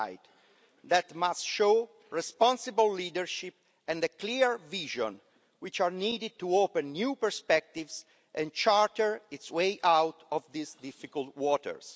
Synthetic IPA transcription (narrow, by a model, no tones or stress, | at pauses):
jt̪ | d̪ɛt̪mastʃo | ɹɛspɔ̃nsɪbəlːiːdəɹʃip | ɛ̃nd̪əkliɹviʒɔ̰̃n | wit͡ʃaɹniːdɪd̪̚t̪uopɛ̃nːjupɛɹspɛk̚t̪ivz | ʔɛ̃nt͡ʃaɹt̪əɹitswejʔawt̪ɔvd̪isdifikəlt̪wɔtə̰ɹs